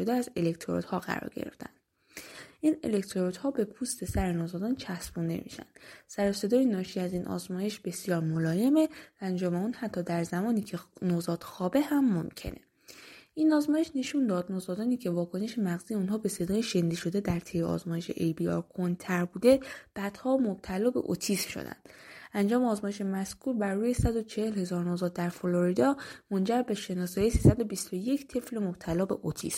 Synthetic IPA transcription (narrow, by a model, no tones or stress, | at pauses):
od̪eæze̞lekt̪ʰoɾo̰t̪hɒːɣæ̰ɾɒ̰ːɾɟḛɾḛft̪æ̰nd̪̥ | ʔiːne̞̰le̞kt̪ʰoɾot̪hɒːbe̞pʰust̪ʰe̞sæɾenoːzɒːd̪ɒːnt͡ʃʰæsbund̪e̞̰mḭːʃæ̰nd̪̥sæɾose̞d̪ɒːjenɒːʃiæziːnʔɒ̰zmɒːje̞ʃb̥e̞sijɒːɾmolɒːje̞me̞væænd͡ʒɒːme̞uːnhæt̪ʰːɒːd̪æɾzæmɒːniːcʰenozɒːt̪xɒːbe̞hæmːomcʰe̞̰nʔe̞̰ | ʔiːnɒːzmɒːje̞ʃne̞ʃund̪ɒːd̪nozɒːd̪ɒːniːcʰe̞vɒːkʰo̞ne̞ʃemæɣziːjeunɦɒːbe̞se̞d̪ɒːjeʃe̞nd̪iʃo̞d̪e̞d̪æɾt̪ʰejeɒ̰ːzmɒːje̞ʃe̞̰ʔejbiɒ̰ːɾkʰont̪ʰæɾbuːd̪e̞b̥æd̪̥hɒːmob̚t̪ʰælɒːbe̞̰ʔo̰t̪ʰismʃo̞̰d̪æ̰nd̪̥ænd͡ʒɒːmeɒːzmɒːjeʃe̞mæskʰuːɾbæɾːuːjesæd̪o̞t͡ʃʰehe̞lhe̞zɒːɾnozɒːt̪̚d̪æɾfoloɾid̪ɒːmo̞nd͡ʒæɾbe̞ʃe̞nɒːsɒːjisisæd̪o̞bist̪o̞je̞cʰt̪ʰe̞flemob̥̚t̪ʰælɒːbe̞̰ʔot̪ʰḭsm